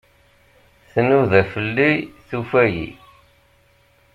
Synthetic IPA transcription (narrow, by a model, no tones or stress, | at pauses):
θənuðæfəlːiθufæjḭ